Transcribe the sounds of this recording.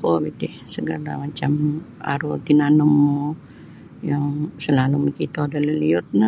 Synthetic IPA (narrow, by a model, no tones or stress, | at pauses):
kobit̪ɪhsəɡalamat͡ʃam | a̰ɾot̪inanomo | jaŋsəlaluməkit̪odaləliʊt̪̚na